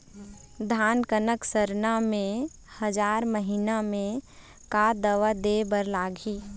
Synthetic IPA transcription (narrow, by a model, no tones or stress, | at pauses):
d̪ʱaːnkənəksəɾnamẽ | həd͡ʒaːɾməɦinamẽ | kad̪əʋad̪ebəɾlaːɡʱiː